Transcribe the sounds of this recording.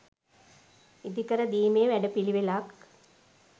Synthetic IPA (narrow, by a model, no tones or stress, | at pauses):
id̪ikɐɾɐd̪iːmeːʋɛɖɐpiɭiʋelaːk